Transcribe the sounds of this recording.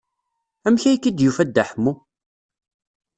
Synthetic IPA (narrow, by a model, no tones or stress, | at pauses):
æmçæjkːid̪jufæd̪ːæħmːu